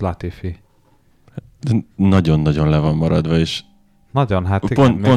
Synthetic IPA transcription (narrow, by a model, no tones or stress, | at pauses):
lɒt̪ifi | h | nɒɟo̞nːɒɟo̞nlɛvɒmːɒɾɒd̪ʋɒeːʃ | nɒɟonɦat̪ːipont̪po